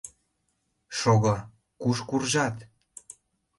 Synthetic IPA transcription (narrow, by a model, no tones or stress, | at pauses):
ʃoɣɤ | kuʃkurʒɑt̪